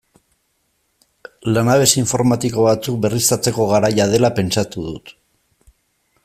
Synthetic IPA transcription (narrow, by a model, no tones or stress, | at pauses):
lanaβ̞e̞siɱfo̞ɾmat̪iko̞β̞at͡suk̚be̞rist̪at͡se̞ko̞ɣ̞aɾajað̞e̞lape̞nt͡sat̪uðut̪